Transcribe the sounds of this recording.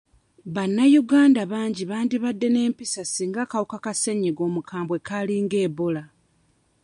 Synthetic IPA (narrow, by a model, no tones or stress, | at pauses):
βanːajuɡaːndaβaːɲɟiβaːndiβadːe̞ne̞ːmpisasiːŋɡakawukakase̞ɲːeɡo̞ːmukʰaːmbwe̞kaliŋɡeːβola